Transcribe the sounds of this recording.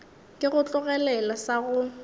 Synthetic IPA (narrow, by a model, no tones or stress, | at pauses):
kʼɪɣʊt͡ɬʼʊɣɛlɛlasaɣʊ